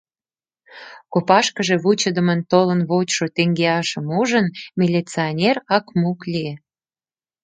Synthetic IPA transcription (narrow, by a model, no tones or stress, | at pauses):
kopɑʃkəʒe̽βut͡ɕəd̪əmənt̪olənβot͡ɕʃot̪eŋɡeɑʃəmuʒənmʲilʲit͡sionʲerɑkmuklʲie